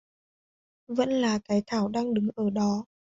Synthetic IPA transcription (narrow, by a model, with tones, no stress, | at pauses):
və̰˧˥nlaː˨˩kaː˨˦jt̪ʰaː˧˩wɗaː˧ŋɗɨ˨˦ŋʔəː˧˩ɗɔ˨˦